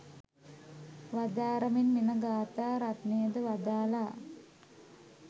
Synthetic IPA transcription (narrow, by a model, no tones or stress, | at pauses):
ʋad̪aːɾɐminminəɡaːt̪aːɾat̪nejəd̪əʋad̪aːlaː